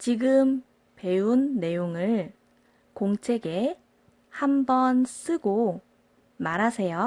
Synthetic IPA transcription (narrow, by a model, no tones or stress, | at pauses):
t͡ɕiɡɯm | pe̞unːe̞joŋɯɭ | koŋt͡ɕʰe̞ɡe̞ | hambʌns͈ɯɡo | maɾasʰe̞jo